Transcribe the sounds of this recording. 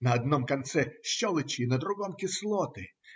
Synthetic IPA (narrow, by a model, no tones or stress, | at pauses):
nɐɐd̪nɔmkɐnt̪sɛʃt͡ʃɔlˠɪt͡ʃinɐd̪ɾʊɦɔmkʲɪslˠɔt̪ɪ